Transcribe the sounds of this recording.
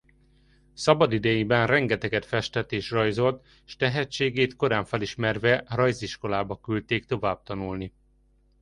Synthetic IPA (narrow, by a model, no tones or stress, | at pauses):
sɒbɒd̪id̪ɛjibɛnrɛŋɡɛt̪ɛɡɛt̪fɛʃt̪ɛt̪eːʃrɒjzo̞lt̪ | ʃt̪ɛɦɛt͡ʃːeːɡeːt̪ko̞ɾaːɱfɛliʃmɛrvɛrɒjziʃko̞laːbɒkylt̪eːkt̪o̞vaːb̥̚t̪ɒnulni